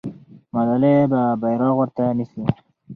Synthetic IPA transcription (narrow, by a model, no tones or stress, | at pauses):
mad̪alebabajɾɑɣwəɾt̪anisi